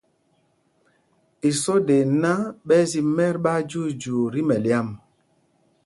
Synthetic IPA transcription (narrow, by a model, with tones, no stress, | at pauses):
i˨sɔ˦de˨na˦ɓɛ˦zi˨mɛ˦ɾɓa˦d͡ʒu˦d͡ʒu˨ɾi˦mɛ˨lja˦˨m